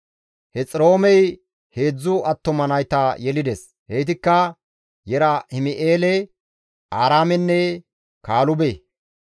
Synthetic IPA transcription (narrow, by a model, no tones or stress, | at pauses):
hɛt͡sʼɪɾo̞ːmɛj | he̞ːd͡zːʊɐt̪ːɔmɐnɐjt̪ɐjɛlɪd̪ɛs | hɛjt̪ɪkːɐ | jɛɾɐhɪmɪʔeːlɛ | ʔaːɾaːmɛnːɛ | kaːlʊbe